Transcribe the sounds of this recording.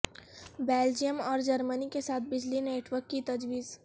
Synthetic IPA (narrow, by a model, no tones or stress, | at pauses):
beːld͡ʒijəmɔːɾd͡ʒɐɾmənikesaːt̪̚ʰbɪd͡ʒlineːʈwəɾkːit̪ɐd͡ʒʋiːz